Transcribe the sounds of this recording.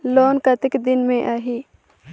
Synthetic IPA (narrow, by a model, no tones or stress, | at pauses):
loːnkɐt̪ɪkd̪ɪnmẽʔaːɦiː